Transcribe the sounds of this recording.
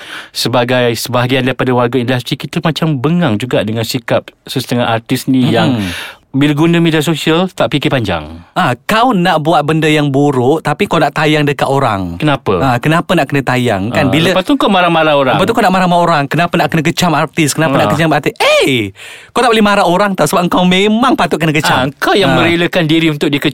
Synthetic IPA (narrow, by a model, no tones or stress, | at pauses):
səbaɡajsəbaɦaɡiandaɾipadawarɡaindust̪ɾikit̪əmat͡ʃambəŋaŋd͡ʒuɡaʔdəŋãnsikap̚səst̪əŋaʔart̪ɪsnijaŋ | biləɡunəmediasosialt̪aʔpikɪpaɲd͡ʒa̰ŋakawnaʔbuat̪̚bəndəjaŋbuɾʊʔt̪apikawnaʔt̪ajaŋdəkat̪oɾaŋkənapə̰akənapənaʔkənət̪aja̰ŋkanbiləpat̪uŋkamaɾamaɾaoɾabət̪ukawnaʔmaɾamaoɾaŋkənapənaʔkənək̬ət͡ʃamart̪ɪskənapənaʔkət͡ʃamat̪iʔə | kawt̪aʔplihmaɾaoɾaŋt̪asəbapəŋkawmemaŋpat̪ʊtʔ̚kənəkət͡ʃaəŋkawjaŋmə̃ɾeləkandiɾiunt̪ʊk̚dikə